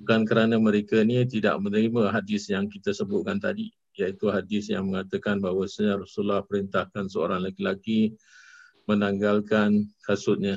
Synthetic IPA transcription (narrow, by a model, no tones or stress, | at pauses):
bukankəɾanəməɾekanit̪ida̰ʔmənəɾiməɦadɪsjaŋkit̪asəbʊt̪̚kant̪a̰di | jait̪uɦadɪsjaŋməŋat̪əkanbaɦwasaɲarasulahpəɾint̪ahkansəo̰ɾaŋlakilaki | mənaŋɡalkankasut̪̚ɲa